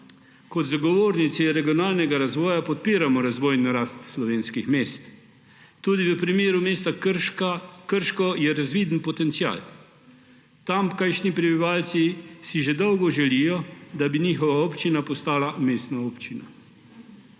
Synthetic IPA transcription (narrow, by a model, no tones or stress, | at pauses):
kɔd̪zaɡɔʋoːɾnit̪siɾɛɡijɔnaːlnɛɡaɾazʋɔːjapɔt̪̚piːɾamɔɾazʋɔːjnɔɾaːst̪slɔʋeːnskixmeːst̪ː | uːd̪iʋəpɾimeːɾumeːst̪a | kəɾʃkɔjɛɾazʋiːd̪npɔt̪ɛnt̪sia̰ːl | t̪amkajʃnipɾɛbiʋaːlt̪sisiʒɛd̪ɔwɡɔʒɛlijɔd̪abiniːxɔʋaɔːpt͡ʃinapɔst̪aːlameːst̪naɔːpt͡ʃina̰